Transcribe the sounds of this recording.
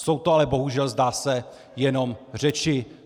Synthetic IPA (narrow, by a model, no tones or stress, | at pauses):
so̞wt̪oalɛbo̞ɦuʒɛlzdaːsɛ | jɛno̞mr̝ɛt͡ʃɪ